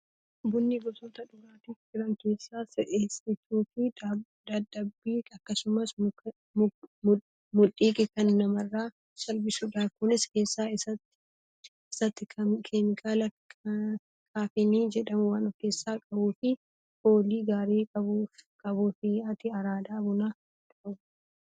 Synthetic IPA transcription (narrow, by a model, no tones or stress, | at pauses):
bʊnːiɡɔsot̪ɐᶑʊɾaːt̪ift͡ʃɪɾɐŋke̞ːsːaːsɪʔeːsɪt͡ʃːuːfɪ | d̪ɐd̪ɐbːiːɐkːɐsʊmɐs | mʊᶑʼiːkʼɪkɐnːɐmɐrːaː | sɐlbɪsʊd̪aːkʊnɪske̞ːsːaːɪsɐt̪ːɪ̥ | ɪsɐt̪ːɪkʰɐkʰeːmɪkʰʼaːlɐ | kʰaːfɪniːd͡ʒɛᶑɐmʊwaːnɔkːe̞ːsːaːkʼɐbuːfɪ | hoːliːɡaːɾeːkʼɐbukʼɐbuːfɪɐt̪ɪɐɾaːd̪aːbʊnaː | t̪ʊʔɐb